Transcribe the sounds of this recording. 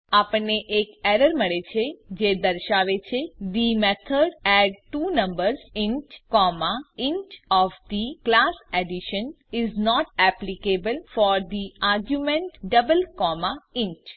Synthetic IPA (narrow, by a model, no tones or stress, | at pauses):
apəɳneʔekɛɾəɾməɭet͡ʃʰed͡ʒed̪əɾʃaʋet͡ʃʰed̪imɛt̪ʰəɖɛɖ̚ʈunə̃mbəɾzɪ̃nʈkɔmaɪ̃nʈɔfd̪iklasɛɖiʃən | ɪznɔʈɛplikebəlfɔɾd̪iaɾɡjumẽɳʈɖəbəlkɔmaɪ̃nt͡ʃ